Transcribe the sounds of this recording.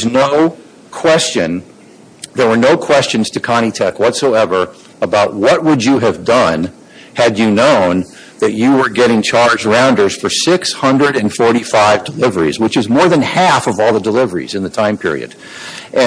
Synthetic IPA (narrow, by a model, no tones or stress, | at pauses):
znoʊ | kʰw̥ɛst͡ʃɨ̃n | ðə˞wə˞noʊkʰw̥ɛst͡ʃɨ̃nz̥tʰɨkʰɑɾ̃itʰɛkwʌtsoʊɛvə˞ | əbaʊt̚wʌt̚wəd͡ʒɨɨvdʌ̃n | ɨd͡ʒɨnõʊ̃n | ðɨt͡ʃɨwə˞ɡɛɾɪ̃ŋt͡ʃʰɑɹd͡ʒɹãʊ̃ndə˞z̥fə˞sɪkshʌ̃ndɹɨɾɨ̃nfɔɹɾifaɪvdəlɪvə˞ḭzwət͡ʃɨzmɔɹðɨ̃nhæfʌvɔlˠðədəlɪvə˞ḭzɨ̃nðɨtʰãɪ̃mpʰɪ̰ɹḭɨ̰d | ʔɨ̃